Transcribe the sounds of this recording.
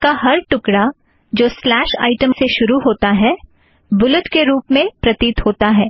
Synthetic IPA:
kaɦɐɾʈʊkɽa | d͡ʒoːslɛːʃa̰ːɪʈə̃mseʃʊɾuɦoːt̪aɦɛː | bʊlʊt̪keɾuːpmẽpɾɐt̪iːt̪hoːt̪aɦɛː

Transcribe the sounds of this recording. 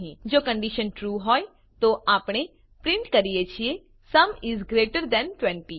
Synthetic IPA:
ɦĩd͡ʒoːkə̃ɳɖiʃə̃nʈɾuːɦɔːj | t̪oʔaːpɽ̃e | pɾɪ̃ɳʈkəɾijet͡ʃʰie | sɐmɪzɡɾeːʈəɾd̪ɛ̃nʈwɛ̃ɳʈi

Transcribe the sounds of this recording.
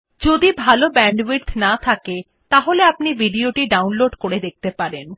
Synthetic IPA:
d͡ʑod̪ibʱalobɛɳɖwiɾt̪ʰnat̪ʰake | t̪aɦoleapnibʱiɖioʈiɖawnloɖkoɾed̪ek̚t̪epaɾen

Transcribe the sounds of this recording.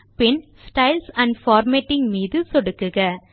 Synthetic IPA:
pɪnsʈɐɪlsɐɳɖfaːɾmeʈːɪŋmiːðɯsɔɽɯkːɯɣɐ

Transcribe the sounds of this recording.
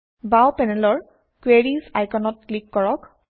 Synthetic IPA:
bawpɛnɛlɔɹ | kweɹizajkɔnɔtklikːɔɹɔk

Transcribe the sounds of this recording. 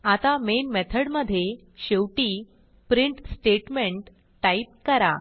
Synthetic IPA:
at̪amenmɛt̪ʰəɽməd̪ʱːje | ɕewʈiː | pɾiɳʈsʈeʈmeɳʈː | aip̚kəɾa

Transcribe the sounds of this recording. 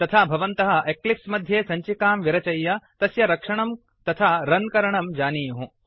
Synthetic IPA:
t̪ɐt̪ʰaːbʱɐʋɐnt̪ɐɦɐ̆ʔeklipsmɐd̪ʱjeːsɐɲt͡ʃikaːmʋiɾɐt͡ʃɐjːɐt̪ɐsjɐɾɐkʂɐɳɐm | t̪ɐt̪ʰaːɾɐnkɐɾɐɳɐmd͡ʒaːniːjuɦũ

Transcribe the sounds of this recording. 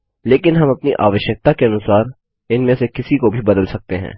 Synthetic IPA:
leːkɪnɦɐmɐpniʔa̰ːʋəʃjək̚t̪akeɐnʊsaːɾ | ɪnmẽsekɪsikobʱibɐd̪əlsɐk̚t̪eɦɛ̰̃ː

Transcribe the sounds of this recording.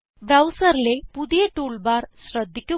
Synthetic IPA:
bɾawsəɾlepud̪eʈuɭbaɾɕɾəd̪ʱːko

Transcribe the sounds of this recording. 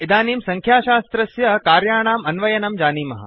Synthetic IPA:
id̪aːniːmsɐŋkʰjaːʃaːst̪ɾɐsjɐkaːɾjaːɳ̃aːmɐnʋɐjɐnɐmd͡ʒaːniːmɐɦɐ̰

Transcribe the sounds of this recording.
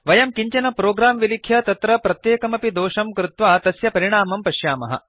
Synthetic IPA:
ʋɐjɐmkiɲt͡ʃɐnɐpɾoːɡɾaːmʋilikʰjɐt̪ɐt̪ɾɐpɾɐt̪jeːkɐmɐpid̪oːʃɐmkɾut̪ʋaːt̪ɐsjɐpɐɾiɽ̃aːmɐmpɐʃjaːmɐ̰ɦɐ̰

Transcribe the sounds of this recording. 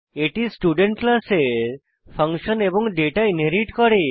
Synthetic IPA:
eʈisʈjuɖeɳʈlase | pʰəŋkʃənebɔŋɖeʈaeneɾiʈkɔɾe

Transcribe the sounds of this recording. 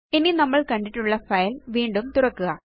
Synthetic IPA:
ininɐmːɐɭkɐɳɖiʈːuɭːɐfɐjlʋiːɳɖumt̪urɐkːuɣɐ

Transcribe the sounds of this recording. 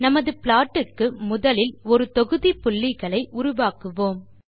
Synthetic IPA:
nɐmɐðɯpɭaːʈːɯkːɯmʊðɐlɪlɔɾɯt̪ɔɣɯðipʊɭːɪɣɐɭɐɪʔʊɾʊʋaːkɯʋoːm

